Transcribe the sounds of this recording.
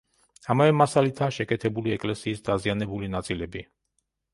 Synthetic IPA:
amavɛmasalit̪ʰaːʃɛkʼɛt̪ʰɛbuliɛkʼlɛsiːsd̪azianɛbulinat̪sʼilɛbi

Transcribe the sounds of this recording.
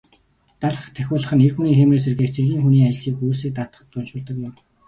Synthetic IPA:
t̪aɮə̆χt̪ʰæxʲʊːɮə̆χə̆nerxuniːxemrĕːs̬erɣeːkt͡sʰerɣʲiːŋxuniːat͡ɕɮiːkujs̬iːk̚t̪at̪ə̥̆χə̆t̪ːʊnʃʊːɮt̪ə̆kjɪ̆m

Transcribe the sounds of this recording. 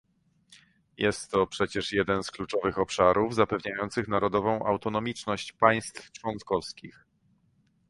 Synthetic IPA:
jɛst̪ːɔpʂɛt͡ɕɛʂjɛd̪ɛnsklut͡ʂɔvɘxɔpʂaɾʔuvzapɛvɲajɔnt̪sɘxnaɾɔd̪ɔvɔ̃w̃ʔa̰wt̪ɔnɔmʲit͡ʂnɔɕt͡ɕpaj̃st̪ft͡ʂwɔnt̪kɔfskʲix

